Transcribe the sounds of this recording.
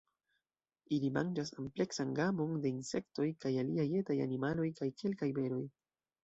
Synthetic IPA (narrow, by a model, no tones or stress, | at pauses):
ilima̰nd͡ʒasample̞ksanɡamo̞nde̞inse̞kto̞jkajaliaje̞taja̰nimalo̞jkajkʰe̞lkajbe̞ɾo̞j